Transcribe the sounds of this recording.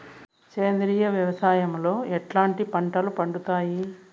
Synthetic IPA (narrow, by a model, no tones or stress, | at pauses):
ke̞ːnd̪ɾiːjɐʋjɐʋɐsaːjɐmlo̞ːɛʈlaːɳʈipɐɳʈɐlupɐɳɖut̪aːji